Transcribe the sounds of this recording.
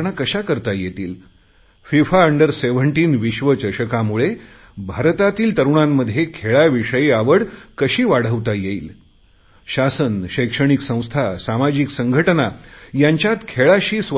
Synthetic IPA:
ɳ̃akəɕakəɾt̪ajet̪ḭːl | fifaəɳɖəɾseʋəɳʈiːnʋiɕʋət͡ɕəɾɕəkamuɭe | bʱaɾt̪at̪iːlt̪əɾuɳamːəd̪ʱːjekʰeɭaʋiʂəjiaʋəɽkəɕiːʋaɽ̤əʋt̪ajeiːl | ɕasənɕəjkʂəɳ̃iksə̃w̃st̪ʰasamad͡ʑiksəŋɡʱəʈənajaɲt͡ɕjat̪kʰeɭaɕiːsʋ

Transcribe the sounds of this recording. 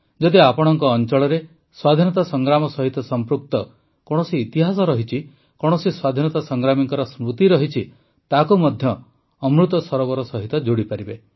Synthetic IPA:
d͡ʒɔd̪iapɔɽ̃ɔŋkɔːnt͡ʃɔɭɔɾe | swad̪ʱinɔt̪asɔŋɡɾamɔsɔɦit̪ɔsɔmpɾuk̚t̪ɔ | kɔɽ̃ɔsiːt̪iɦas̬ɔɾɔɦit͡ʃʰi | kɔɽ̃ɔsiswad̪ʱinɔt̪asɔŋɡɾamiŋkɔɾɔsmɾut̪iɾɔɦit͡ʃʰi | t̪akumɔd̪ʱjɔː | mɾut̪ɔsɔɾɔβɔɾɔsɔɦit̪ɔd͡ʒoɽipaɾibe

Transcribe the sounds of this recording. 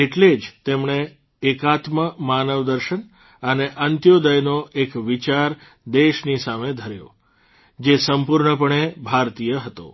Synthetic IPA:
eʈled͡ʒt̪emɳeː | kat̪məmanəʋd̪əɾʃən | əneʔənt̪jod̪əjnoʔekʋit͡ʃaɾ | d̪eʃnisamed̪ʱəɾjo̰ | d͡ʒesəmpuɾɳəpəɳebʱaɾt̪ijəɦət̪o̰

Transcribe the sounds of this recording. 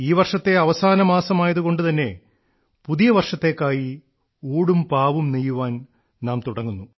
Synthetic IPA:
iːʋɐrʂɐt̪ːe̞ɐʋɐsaːnɐmaːsɐmaːjɐðuko̞ɳɖɨt̪ɐnːe̞ | puðijɐʋɐrʂɐt̪ːe̞ːkːaːji | uːɽumpaːʋumnijːuʋaːn | naːmt̪uɽɐŋːunːu

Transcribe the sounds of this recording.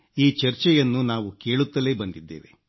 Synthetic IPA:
iːt͡ʃɐɾt͡ʃɛjɐnːunaːʋuke̞ːɭut̪ːɐle̞ːbɐnd̪id̪ːḛːʋḛ

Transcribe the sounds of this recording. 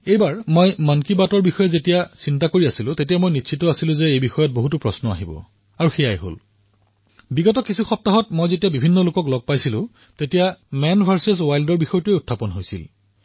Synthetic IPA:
ejbaɹmojmankibatɔɹbixɔjɛzetijasintakoɹiasilʊ̃tetijamojnitːsʰitɔasilʊ̃zeejbixɔjɔt̚boɦutupɹɔsnɔa̰ɦibɔ̰ | aɹuxejajɦo̰l | biɡɔtɔkisuxɔp̚taɦɔt̚mojzetijabibʱinːɔlokɔklɔɡ̚pajsilʊ̰̃ | tetijamɛnbʱaɹses̬wajldɔɹbixɔjɔtʊeutʰːapɔnɦojsḭl

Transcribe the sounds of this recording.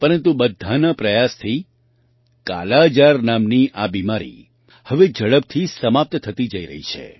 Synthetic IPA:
pəɾənt̪ubəd̪ʱːanapɾəjast̪ʰi | ka̰lad͡ʒaɾnamniʔabimaɾḭ | həʋed͡ʒəɭəb̚t̪ʰisəmap̚t̪t̪ʰət̪id͡ʒəiɾə̰ɦḭt͡ʃʰḛ

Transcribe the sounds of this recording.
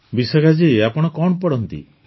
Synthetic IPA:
bisɔɡad͡ʒiapɔɽ̃ɔkɔɳɔpɔɽɔnt̪ḭ

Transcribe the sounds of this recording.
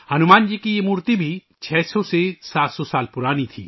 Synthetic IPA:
hɐnumand͡ʒikiemuɾt̪ibʱi | t͡ʃʰɛsɔsesat̪sɔsalpuɾaːnit̪ʰḭ

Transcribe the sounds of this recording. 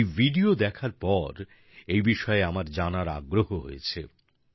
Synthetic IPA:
jvʱiɖiod̪ɛkʰaɾpɔɾ | ejbiʃɔeamaɾd͡ʑanaɾa̰ɡɾoɦoɦo̰jet͡ɕʰe

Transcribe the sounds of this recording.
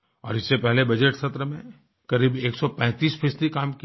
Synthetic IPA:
ɔ̰ːɾɪsːepɛɦlebɐd͡ʒeʈsɐt̪ɾəmẽ | kɐɾiːbeːksɔpɛ̃ːt̪iːspʰɪːsd̪ikaːmki

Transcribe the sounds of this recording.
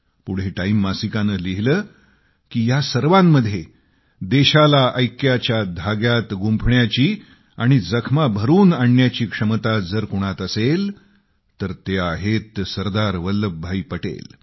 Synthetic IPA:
puɽ̤eʈaimːasikanəliɦləː | kiːjasəɾʋamːəd̪ʱːje | d̪eɕalaʔəjkjat͡ɕjad̪ʱaɡjat̪ɡumpʰɳjat͡ɕiː | aɽ̃id͡zəkʰmabʱəɾuːnaɳːjat͡ɕiːkʂəmt̪ad͡zəɾkuɽ̃at̪əsel | t̪əɾt̪jaɦet̪səɾd̪aɾʋəlːəbʱːaipəʈḛl

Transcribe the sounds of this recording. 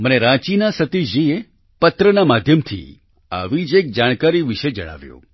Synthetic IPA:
məneɾat͡ʃinasət̪id͡ʒie | pət̪ɾənamad̪ʱjəmt̪ʰḭ | a̰ʋid͡ʒek̚d͡ʒaɽ̃kaɾiʋiʃed͡ʒə̰ɽ̃a̰ʋjṵ̃

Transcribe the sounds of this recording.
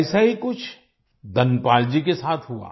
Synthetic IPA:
saɦikʊt͡ʃʰ | d̪ɐnpaːld͡ʒikesaːt̪ʰɦua̰ː

